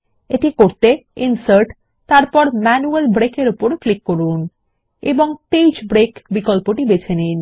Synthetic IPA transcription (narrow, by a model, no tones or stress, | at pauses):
eʈikoɾt̪einsaɾʈ | t̪aɾpɔɾmɛnuelbɾekeɾupoɾklikːoɾun | ḛboŋpejd͡ʑbɾekbikɔlpoʈibet͡ɕʰenin